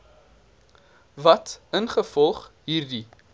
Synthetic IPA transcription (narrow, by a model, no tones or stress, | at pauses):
vɐtənχəfɔlˠχɦiːrdi